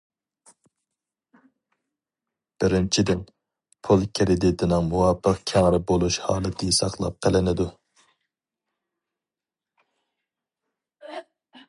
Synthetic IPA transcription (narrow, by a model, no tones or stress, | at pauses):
b̥ɪɾɪnt͡ʃʰid̪ɪn | pʰulˠkʲʰɪɾɪd̪it̪ʰɪnɪŋmuwɑːpʰəqkʲʰæŋɾɪbolˠuʃhɑ̰ːlˠɨt̪ʰɪsɑχlˠɑ̰p̚qʰəlɪnɪd̪u